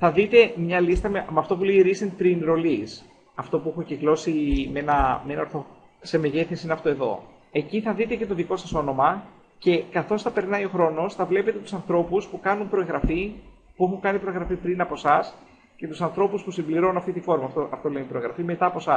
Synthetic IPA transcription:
θɐðit̪e̞mɲɐlist̪ɐmemɐft̪o̞puleiɾisent̪̚p̪ɾinɾo̞lis | ɐft̪o̞pue̞xociklo̞simenɐmenɐo̞ɾθo | se̞meðeθesiineɐft̪o̞e̞ðo̞̰ | e̞ciθɐðit̪e̞ce̞t̪o̞ðiko̞sɐso̞no̞mɐ | ce̞kɐθo̞sθɐpe̞ɾnɐio̞xɾo̞no̞sθɐvle̞pe̞t̪e̞t̪u̥sɐnθɾo̞puspukɐnumpɾoeŋɣɾɐfi | pue̞xuŋkɐnipɾoeŋɣɾɐfipɾinɐpo̞sɐs | ce̞t̪usɐnθɾo̞puspusimbliɾo̞nunɐft̪it̪ifo̞ɾmɐːft̪oʔɐft̪o̞le̞onipɾo̞eŋɣɾɐfime̞t̪ɐːpo̞sɐs

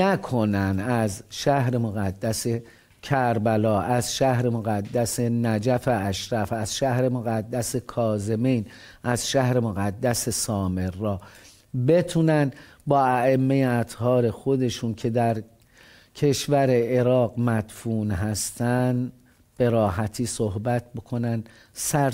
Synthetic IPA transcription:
nækʰo̞nænæzʃæhɾe̞moɣæd̪ːæse | cʰæɾbælɒːʔæzʃæhɾe̞mo̞ɣæd̪ːæse̞næd͡ʒæfeæʃɾæfæz̥ʃæhɾe̞mo̞ɣæd̪ːæse̞kʰɒːze̞mijn | ʔæz̥ʃæhɾe̞mo̞ɣæd̪ːæse̞sɒːme̞ɾːɒː | be̞t̪ʰuːnænd̪ | bɒːæemːejeæt̪hɒːɾe̞xo̞d̪e̞ʃuːnkʰe̞d̪æɾ | cʰe̞ʃvæɾe̞eɾɒːɢmæd̪̥fuːnɦæst̪ænd̪ | b̥e̞ɾɒːɦæt̪ʰiːsohbæt̪̚ʰbokʰo̞nænd̪ | sæ

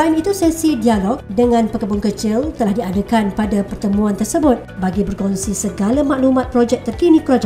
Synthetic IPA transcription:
amit̪usɛsidialɔk̚dəŋãnpəkəbʊŋkət͡ʃɪlt̪əlahdiadakanpadapərt̪əmũant̪ərsəbʊt̪̚baɡibərkɔnsisəɡalamãʔlumãt̪̚pɾod͡ʒɛk̚t̪ərkinĩkɾod͡ʒɛ

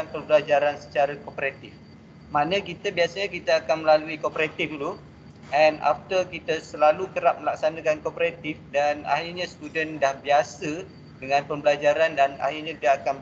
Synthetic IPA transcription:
anpərbəlad͡ʒaɾansə̥t͡ʃaɾakopəɾat̪ɪf | manə̃kit̪əbiasaɲãkit̪aakanməlaluikopəɾat̪ifdulu | ɛnʔa̰ft̪ərkit̪əsəlalukəɾap̚məlak̚sanakankopəɾat̪ɪfdana̰ɦirɲãst̪udəndahbiasə | dəŋãnpəbəlad͡ʒaɾandana̰hirɲãdiaːkan

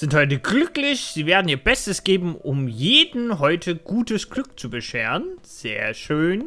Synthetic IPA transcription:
z̥ɪnthɔʏtəɡlʏklɪçz̥iːveːɐdn̩iːɐbɛstəsɡ̥eːbm̩ʊmjeːdn̩ɦɔʏtʰəɡ̥uːtəsɡ̥lʏk̚t͡subəʃeːʁən | z̥eːɐʃøːn

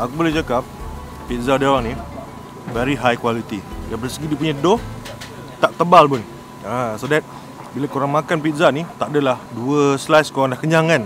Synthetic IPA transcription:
akubolɛht͡ʃakap̚ː | it̪̚zadewaŋni | vɛɾiɦajkwalit̪ijaŋbəsəɡidipuɲadoh | t̪aʔt̪əbalpʊn | asodɛt̪̚ | bilakoɾaŋmakanpit̪̚zanit̪aʔdəlahduəslajskoɾaŋlahkəɲaŋan

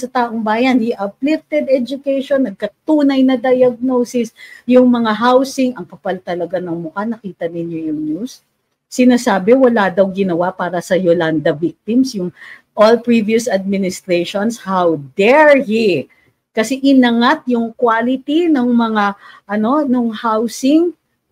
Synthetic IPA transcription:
sɐt̪aːʔoŋbaːjɐnhiʔɐplit̪ɛd̪ɛd͡ʒʊkɛjʃonːɐɡ̚kɐt̪uːnɐjnɐd̪ɐjɐɡ̚nosɪsjʊŋmɐŋaɦawsɪŋʔɐŋkɐpɐlt̪ɐlɐɡanɐŋmʊkanɐkiːt̪ɐnɪnjojʊŋnusː | ɪnaːsaːbɛwɐlad̪ɐwɡɪnɐwapaːɾɐsɐjoland̪ɐvik̚t̪ɪmsjʊŋ | ʔolpɹiviʊsɐd̪̚mɪnɪst̪ɾejʃonshawd̪ɛɹji | kɐsɛʔɪnɐŋat̪̚jʊŋkwalɪt̪inoŋmɐŋaʔɐno̞noŋhawsɪŋ

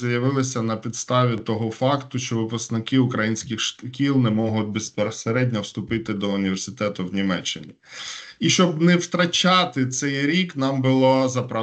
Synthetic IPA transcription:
jɐʋɪlˠɪsʲɐnɐpʲid̪st̪ɑʋʲit̪ɔɦɔfɑkt̪ʊʃt͡ʃɔʋɪpʊsknɪkɪʊkɾɐjinʲsʲkʲɪxʃkʲilˠnɛmɔɦʊt̪̚ʲbɪspeɾseɾɛdʲnʲɐwst̪ʊpɪt̪ɪd̪ɔʊnʲiʋʲersʲɪt̪ɛt̪ʊwnʲimɛt͡ʃːɪ̰nʲi | iʃt͡ʃɔbnɛwt̪ɾɐt͡ʃɑt̪ɪt̪sɛjɾʲiknɑmbʊlˠɔzɐpɾɐ

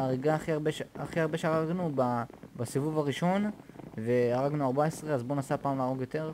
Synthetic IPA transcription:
aʁiɡaχiaʁbeʃaχiaʁbe̞ʃeaʁaɡnubabasivuvaʁiʃo̞nve̞aʁaɡnuaʁbaesʁeazbo̞nasapaːmlaːʁo̞ɡjo̞t̪e̞ʁ

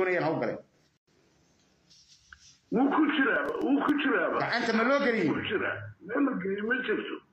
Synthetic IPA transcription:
ɔːnɐjaːnɦɐwɡɐlɛ̰ː | wuːkʰʊt͡ʃɪɾaːwuːkʰʊt͡ʃɪɾaːβɐɡɑʕant̪ʰɐmɐlɔːɡɐlɪjɛkt͡ʃɪɾa̰ːmɛːlɐɡɐɪmɐt͡ʃɪrt̪ʰɔ

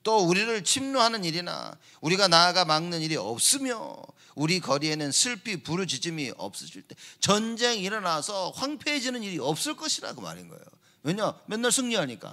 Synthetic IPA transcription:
t͈ouɾiɾɯɭt͡ɕʰimnuɦanɯniɾina̰ | uɾiɡanaːɡamaŋnɯniɾiʌ̰p̚s͈ɯmjo̰ | uɾikʌɾie̞nɯnsʰɯɭpʰipuɾud͡ʑid͡ʑɯmiʔʌ̰p̚s͈ʌ̥ɕʰiɭt͈e̞t͡ɕʌnd͡ʑe̞ŋiɾʌnasʰʌɸwaŋpʰeed͡ʑinɯniɾiʌp̚s͈ɯɭk͈ʌɕʰida̰ɡɯma̰ɾinɡʌ̰ḛjo̰ | weɲamjʌnːaɭsʰɯŋɲiɦaɲik͈a̰

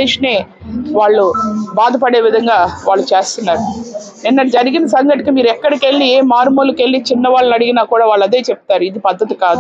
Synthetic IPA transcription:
eːʂɐne̞ː | ʋaːɭːubaːd̪ɐpɐɽe̞ːʋid̪ʱɐŋɡaːʋaːɭːut͡ʃeːst̪unːaːɾu | ninːɐd͡ʒɐɾiɡinɐsɐŋɡɐʈikimiːɾuɛkːɐɽikeɭːieːmaːɾmuːluke̞ɭːit͡ʃinːɐʋaːɭːɐnɐɽiɡinaːkuːɽaːʋaːɭːɐd̪e̞ːt͡ʃep̚t̪aːɾuid̪ipɐd̪ːɐt̪ikaːd̪u

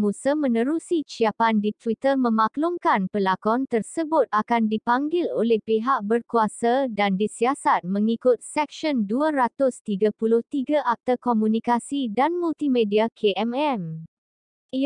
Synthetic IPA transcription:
mũsəmə̃nə̃ɾusisiapandit̪wit̪ərmə̃mãklʊŋkanpəlakɔnt̪ərsəbʊt̪̚akandipaŋɡɪlolɛhpeɦaʔ̚bərkuasadandisiasat̪̚mə̃ŋikʊt̪̚sɛk̚ʃənduaɾat̪ʊst̪iɡapulʊht̪iɡaʔak̚t̪akomũnikasidanmult̪imẽdiakʰeʔɛmɛm | i

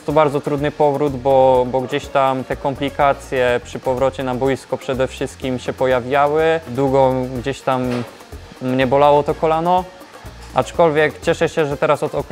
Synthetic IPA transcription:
t̪ɔbaɾdzɔt̪ɾud̪nɘpɔvɾud̪bɔbɔɡd͡ʑeɕt̪amt̪ɛkɔmplʲikat̪sʲjɛpʂɘpɔvɾɔt͡ɕɛnabujskɔpʂɛd̪ɛfʂɘst̪̚kʲimɕɛpɔjavʲjawɘd̪wuɡɔɡd͡ʑeɕt̪amː | ɲɛbɔlawɔt̪ɔkɔlanɔ | ʔa̰t͡ʂkɔlvʲjɛkt͡ɕɛʂɛɕɛʐɛt̪ɛɾasɔd̪ɔ

